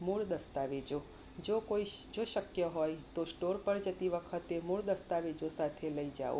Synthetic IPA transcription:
muɭd̪əst̪aʋed͡ʒo | d͡ʒokoid͡ʒoʃəkjəɦojt̪osʈoɾpəɳd͡ʒət̪iʋəkʰət̪emuɭd̪əst̪aʋed͡ʒosat̪ʰeləid͡ʒa̰o̰

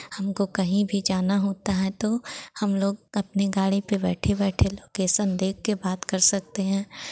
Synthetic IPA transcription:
hɐmkokɐɦĩbʱid͡ʒaːnaɦoːt̪aɦɛt̪ohɐmloːɡ̚ɐpneɡaːɽipebɛːʈʰebɛːʈʰeloːkeːʃənd̪eːkːebaːd̪kɐɾsɐk̚t̪eɦɛ̃ː

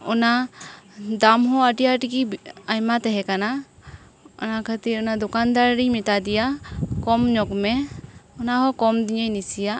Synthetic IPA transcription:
ɔna | d̪amɦɔəʈijaʈikiajmat̪ɛɦɛkana | ɔ̰nakʰat̪iunad̪ɔkand̪aɾɾimit̪ad̪ijakɔmɲɔkmɛɔnaɦɔkɔmd̪iɲəjnisija

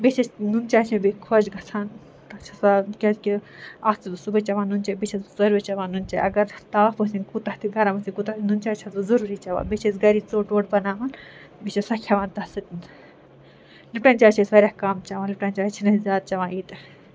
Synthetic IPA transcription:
bet͡ʃʰɐsnunt͡ʃaːt͡ʃʰɐ̃bikʰod͡ʒɡɐt͡sʰaːn | t̪ɐt͡ʃʰɐsakʲɐskʲiaːst̪it̪usubɐt͡ʃɐʋãːnunt͡ʃɐbit͡ʃʰɐszɐɾt͡ʃɐʋãːnunt͡ʃɐʔɐɡɐɾt̪aːɦbɐsʲinkut̪ɐht̪ʰiɡɐɾamɐsikut̪ainunt͡ʃaːt͡ʃʰɐt̪uzɐɾuːɾiːt͡ʃɐʋa̰ːbet͡ʃʰesɡɐɾit͡soːʈoːʈbɐnaːʋaːn | bit͡ʃʰɐsɐkʲʰjɐʋaːnt̪ɐsɨt̪n | lipʈɐnʲt͡ʃaːt͡ʃʰesʋɐɾʲahkaːmt͡ʃɐʋãːlipʈanʲt͡ʃaːt͡ʃʰinɐzʲjaːd̪̚t͡ʃɐʋãːiːt̪

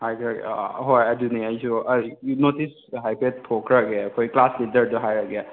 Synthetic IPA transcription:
hajkʰɾaɡɛ̰ɦojaduniajsunotis | ɦajpʰet̚pʰɔkʰɾaɡɛkʰɔjklaslidəɾduɦajɾaɡɛ

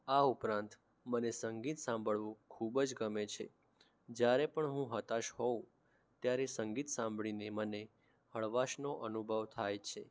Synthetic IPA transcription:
aupɾãnt̪ | mənesəŋɡit̪sãmbʱəɭʋũkʰubd͡ʒɡəmet͡ʃʰḛ | d͡ʒjaɾepəɳɦũɦət̪aʃɦõ | t̪jaɾesəŋɡit̪sãmbɭineməne | həɭʋaʃnoʔənubʱəʋt̪ʰajt͡ʃʰe

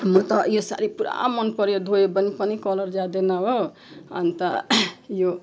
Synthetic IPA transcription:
mʌt̪ɔjosa̰ɾipuɾa̰mʌnpʌɾod̪ʱojebənipʌnikɔlʌɾd͡ʒad̪enaɦo | a̰nt̪ajo

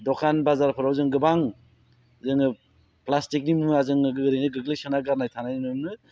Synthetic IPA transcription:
dokʰanbazaɾpʰɯɾawzɯŋɡɯbaŋ | zɯŋɯ | plastik̚nimuazɯŋɯɡɯɡɯɾejnɯɡɯɡlesɯnaɡaɾnajtʰanajninɯmnɯ

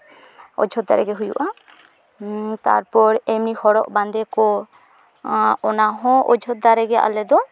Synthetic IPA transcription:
ɔ̰d͡ʒʱɔt̪̚d̪a̰ɾɛɡɛɦujṵʔa | t̪a̰ɾpɔɾɛmnihɔɽɔʔband̪ɛkɔ | ɔnaɦɔ̃ʔɔd͡ʒʱɔt̪̚d̪aɾɛɡɛʔa̰lɛd̪ɔ

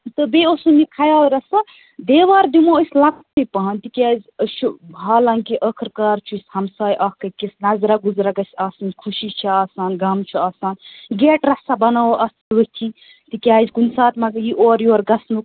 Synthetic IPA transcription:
t̪ɨbeosumikʰajaːɾɐsa | d̪eːʋaːɾd̪imoəsʲlakt̪ipɐɦɐnt̪ikʲaːzʲət͡ʃʰubʱaːlɐŋkiʔəkʰɾkaːɾt͡ʃʰushɐmsaːjʔɐhkɐkesnɐzɾaɡuzɾaɡɐsʲaːsɐnkʰuʃit͡ʃʰiaːsaːnɡɐmt͡ʃʰiaːsaːnɡeːʈɾɐsabɐnaoʔɐsʋɐt̪ʰi | t̪ikʲaːzɡunsaːt̪mɐɡjiʔoːɾjoːɾɡɐsnuk

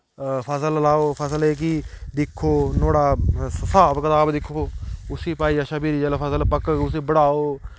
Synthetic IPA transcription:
pʰəsəllaːoːpʰəsəleːk̬id̪ɪkʰːoːnoːɽaːsəsaːbkət̪aːbd̪ɪkʰːoːʊsiːpaːiːaʃaːbiːɾiːd͡ʒɛːlːpʰəsəlpəkʊs̬ĩːbəɽaːoː

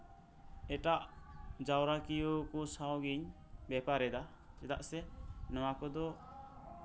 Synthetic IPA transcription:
ɛʈaʔd͡ʒawɾakijokɔsawɡiɲ | bɛpaɾɛd̪a | sɛt̪aʔsɛnɔwakɔd̪ɔ

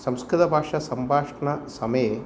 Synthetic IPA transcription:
sɐmskɾɪt̪ɐbʱaːʂɐsɐmbʱaːʂɳɐsɐmɐj

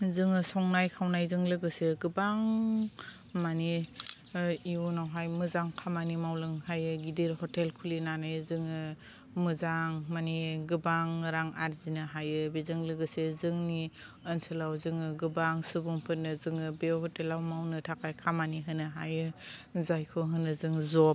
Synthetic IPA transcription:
zɯŋɯsɔŋnajkʰawnajzɯŋlɯɡɯseɡɯbaŋ | mani | iunawɦajmɯzaŋkʰamanimawlɯŋhajɯɡideɾhɔtelkʰulinanajzɯŋɯ | mɯzaŋmaniɡɯbaŋɾaŋaɾzinɯɦajɯbizɯŋlɯɡɯsezɯŋniənsɯlawzɯŋɯɡɯbaŋsɯbuŋpʰɯt̚nɯzɯŋɯbehɔtelawmawnɯtʰakʰajkʰamaniɦɯnɯɦa̰jɯzajkʰoɦɯnɯzɯŋzɔp̚

